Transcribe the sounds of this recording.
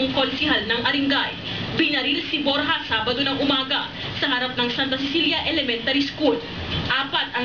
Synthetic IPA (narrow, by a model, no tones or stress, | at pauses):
ŋkolsɪɦɐlnɐŋʔɐɾɪŋɡaj | bɪnɐɾilsɪbo̞ɾɦɐsaːbɐd̪o̞nɐŋʔʊmaːɡɐ | sɐɦɐɾap̚nɐŋsant̪ɐsɪsiljɐʔɛlɛmɛnt̪ɐɾiskud̪̚ | ʔaːpɐt̪̚ʔɐŋ